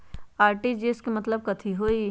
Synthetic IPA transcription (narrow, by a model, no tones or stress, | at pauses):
aːɾʈid͡ʒeːskemɐt̪ləb̚kɐt̪ʰiɦoːi